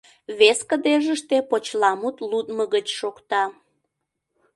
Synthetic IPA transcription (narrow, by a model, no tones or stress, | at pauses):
βeskəd̪eʒəʃt̪epot͡ɕlɑmut̪lut̪məɣət͡ɕʃokt̪ɑ